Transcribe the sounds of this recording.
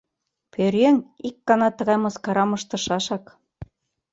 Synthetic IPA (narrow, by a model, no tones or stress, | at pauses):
pʰøɾeŋikːɑnɑt̪ɤ̆ɣɑjmɤ̆skɑɾɑmɤ̆ʃt̪ɤ̆ʃɑʃɑk